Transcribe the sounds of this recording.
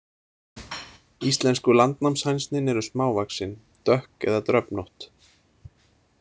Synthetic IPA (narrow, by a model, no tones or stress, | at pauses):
ist̪lɛnskʏlant̪namshajnst̪nɪnɛɾʏsmaːwvaksɪn | t̪œhkɛ̰ðat̪ɾœpnɔht̪